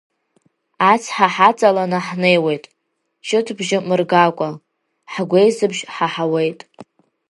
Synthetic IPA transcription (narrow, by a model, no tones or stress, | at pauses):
at͡sʰħaħat͡sʼalanaħne̞jwe̞jtʼ | t͡ʃʰʼɪtʰbʒɪmɨrɡakʷʼa | ħɡʷe̞jzɨbʒħaħawe̞jtʼ